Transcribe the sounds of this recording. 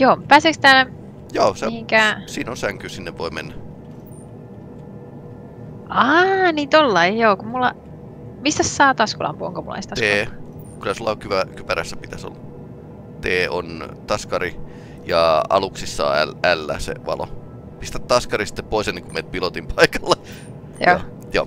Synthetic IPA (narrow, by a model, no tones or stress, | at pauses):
joːpæːseːkst̪æːlæ | joːseiiŋkæsiːnonsæŋkysinːeʋʋoimenːæ | ɑniːt̪olːɑijoːkumulːɑ | mist̪æssɑːt̪ɑskolɑ̰mpuo̰ŋkomulɑ̰ist̪ɑtskeː | kylæsulːɑkyʋækypæɾæsːæpit̪æso̰lːɑ | t̪eːo̰nt̪ɑskɑɾi | jɑɑ̰luksisːɑ̰ːælælːæ̰ːsḛʋɑ̰lo̰ | pist̪æt̪t̪ɑskɑɾisi̥t̪ːeppoisenːeŋkumet̪̚pilot̪impʰɑikɑlːɑ | jo̰ː | jo̰ː